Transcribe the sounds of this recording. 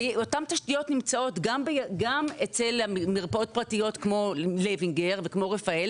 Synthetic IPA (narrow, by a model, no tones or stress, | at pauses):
otamtaʃtijo̞tnimt͡sao̞tɡambejaɡamet͡selamiʁpao̞t̚pʁatijo̞tkmo̞leviŋɡeʁvekmo̞ʁefael